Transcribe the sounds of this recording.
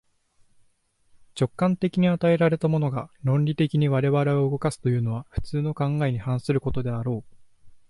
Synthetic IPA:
t͡ɕo̞kːãnt̪e̞kʲiɲ̟iat̪ae̞ɾaɾe̞t̪amo̞no̞ɡaɾõ̞nɾʲit̪e̞kʲiɲ̟iβaɾe̞βaɾe̞o̞ɯɡo̞kasɨ̥t̪o̞jɯ̟ːno̞β̞aɸɯ̟̥t͡sɨːno̞kãŋɡaeɲ̟ihãɰ̃sɨɾɯ̟ko̞t̪o̞d̪e̞aɾo̞ː

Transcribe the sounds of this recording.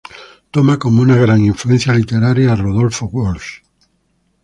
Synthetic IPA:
t̪omakomounaɣɾaŋiɱfluen̟θjalit̪eɾaɾjaːroð̞olfoɣwolʃ

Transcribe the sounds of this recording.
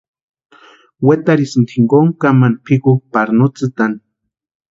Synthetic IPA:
wet̪aɾisɨnt̪ʰiŋɡoŋkamanpʰikupaɾnut͡sɨt̪an

